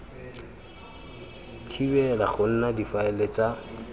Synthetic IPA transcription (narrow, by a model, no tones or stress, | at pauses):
tʰibɛla̰χʊn̩nadifaɛlet͡sa